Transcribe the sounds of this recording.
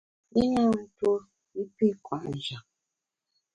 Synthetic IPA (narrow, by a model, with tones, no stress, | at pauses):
i˦ɲa˦n̩˨to˦ | i˦pi˦˨kwa˨ʔn˨d͡ʒa˨